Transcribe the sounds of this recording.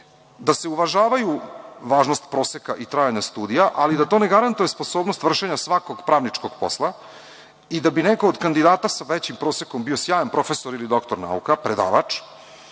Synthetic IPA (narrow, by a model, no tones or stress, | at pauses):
d̪ase̞uʋaʒaːʋajuʋaːʒnost̪pɾo̞ːsekaʔit̪ɾaːjaɲast̪uːd̪ijaʔalid̪at̪o̞neɡaɾant̪ujespo̞soːbnost̪vr̩ʃe̞ɲasʋako̞ɡpɾaːʋnit͡ʂko̞ɡ̥po̞̰slˠa | id̪abineko̞ːd̪kand̪id̪aːt̪asaʋet͡ɕimpɾo̞ːsekombio̞sjaːjampɾo̞fesoɾilid̪o̞kt̪oɾna̰ṵkapɾed̪a̰ːʋa̰t͡ʂ